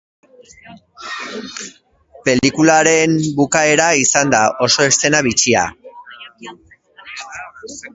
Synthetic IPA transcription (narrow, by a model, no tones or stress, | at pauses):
pe̞likulaɾe̞mbukae̞ɾaisand̪aʔo̞so̞e̞st̪e̞naβit͡ʃia̰